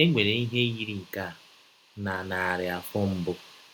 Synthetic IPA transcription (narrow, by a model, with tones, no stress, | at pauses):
e˦ŋʷe˨ɾe˨i˦ɦe˦ji˦ɾi˨ŋ̩˨ka˦˨ | na˨na˨a˨ɾɪ˨a˨fɔ˦m̩˦bʊ˦